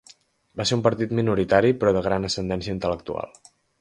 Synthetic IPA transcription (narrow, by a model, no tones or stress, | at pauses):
baseɾumpəɾt̪it̪minuɾit̪aɾipɾɔðəɣɾanəsənd̪ɛnsiəint̪ələk̚t̪ua̰lˠ